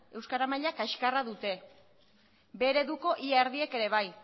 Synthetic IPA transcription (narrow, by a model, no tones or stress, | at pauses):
e̞wskaɾamaʎakaʃkaraðut̪e̞ | be̞ɾe̞ðuko̞ʔiaeɾðieke̞ɾe̞β̞aj